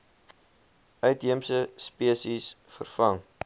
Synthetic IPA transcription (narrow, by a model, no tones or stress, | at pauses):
œɥtɦiəmsəspiəsis | fə̰rfɐŋ